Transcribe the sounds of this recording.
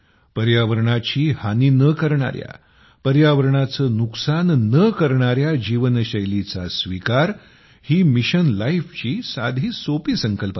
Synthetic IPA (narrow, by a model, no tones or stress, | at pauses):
pəɾjaʋəɾɳat͡ɕiːhaninəkəɾɳa̰ɾja̰ | pəɾjaʋəɾɳat͡sənuksanːəkəɾɳ̃aɾjad͡ʑiʋənɕəjlit͡sasʋikaɾ | hiːmiɕənlajift͡ɕiːsad̪ʱiːsopiːsəŋkəlp